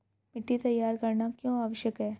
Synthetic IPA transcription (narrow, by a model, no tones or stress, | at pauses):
mɪʈːit̪ɐjːaːɾkɐɾnakjõːaːʋəʃjəkɦɛː